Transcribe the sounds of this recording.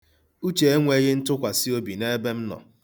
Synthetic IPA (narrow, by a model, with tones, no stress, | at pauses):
u˦t͡ʃe˨e˦ŋʷe˦ɣɪ˦n̩˦tʊ˦kʷa˨sɪ˦o˦bi˨ne˦be˦m̩˦nɔ̰˨